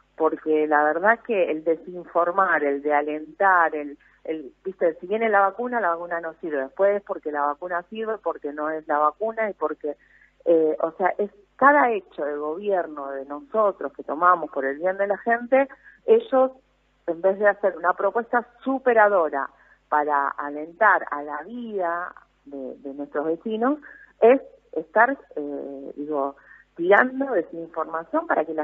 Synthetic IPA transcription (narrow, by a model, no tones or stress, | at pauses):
po̞ɾkelaβe̞ɾð̞akeːld̪e̞siɱfo̞ɾmaɾe̞ld̪eale̞nt̪aɾel | elbist̪e̞siβje̞nelaβakunalaβakunano̞siɾβe̞ðehpwesespo̞ɾke̞laβakunasiɾβe̞po̞ɾke̞nõ̞e̞slaβakunaipo̞ɾke̞ | eʔose̞aʔe̞s | kaðae̞t͡ʃo̞ðe̞ɣ̞o̞β̞jeɾno̞ðe̞no̞so̞t̪ɾo̞ske̞t̪o̞mamo̞spo̞ɾe̞lβje̞nd̪e̞laxe̞nt̪e̞e̞ʒo̞s | embe̞zðease̞ɾunapɾo̞pwe̞st̪asupe̞ɾaðo̞ɾa̰ | paɾa̰ale̞nt̪aɾalaβiða | ðḛðe̞nwe̞st̪ɾo̞zβe̞sino̞s | e̞sest̪aɾeðiɣo̞t̪iɾand̪o̞ðesuiɱfo̞ɾmasjo̞mpaɾakela